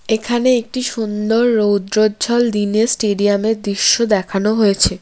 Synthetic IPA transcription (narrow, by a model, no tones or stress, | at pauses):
ekʰaneek̚ʈiʃund̪oɾːowd̪ɾodːd͡ʑʱɔld̪inesʈeɖiameɾd̪ɾiʃːod̪ɛkʰanoɦoet͡ɕʰe